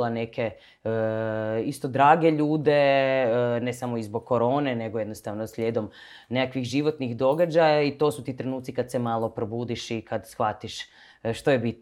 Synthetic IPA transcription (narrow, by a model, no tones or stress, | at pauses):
lanekʰe̞ | ist̪o̞d̪ɾaːɡe̞ʎuːd̪e̞ | nesamoizboɡ̚kːo̞ɾo̞ːneneɡojed̪nost̪aʋnosʎʲeːd̪o̞m | nekakʋixʒiʋo̞t̪nixd̪o̞ɡad͡ʒajait̪o̞ːsut̪iːt̪ɾe̞nuːt̪sikad̪semaːlˠo̞pɾobuːd̪iʃikad̪sxʋat̪iʃ | ʃt̪o̞jebit̪